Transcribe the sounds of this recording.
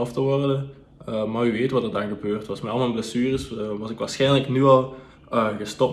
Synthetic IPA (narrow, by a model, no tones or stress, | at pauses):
ftəʋɔrdə | əmaːryʋeːtʋɑtdədanɣəbøːrtʋɑsmɛɑlˠmaləbləsyːrəsʋɑsɪkʋaːɹsxɛjnləknyɑlˠ | əɣəstɔp̚